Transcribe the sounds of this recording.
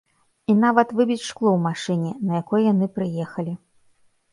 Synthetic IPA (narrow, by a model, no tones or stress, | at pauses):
inavɐt̪vɨbʲit͡sʲʂklˠɔwmaʂɨnʲɛnɐjakɔjjanɨpɾɨjɛxɐlʲi